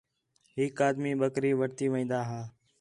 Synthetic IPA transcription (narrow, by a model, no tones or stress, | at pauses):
ɦɪkaːd̪miːɓəkɾiːʋəɽt̪iːʋə̃ĩːnd̪aːɦaː